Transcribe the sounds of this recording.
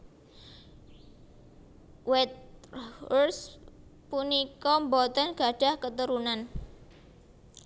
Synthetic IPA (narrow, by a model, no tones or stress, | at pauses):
wɛt̪̚ | rspunikɔmbɔt̪ɔnɡ̥aɖ̥a̤hkət̪əɾunan